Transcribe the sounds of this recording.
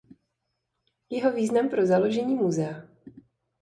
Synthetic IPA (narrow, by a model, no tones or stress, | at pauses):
jɛɦo̞viːznampɾo̞zalo̞ʒɛɲiːmuzɛa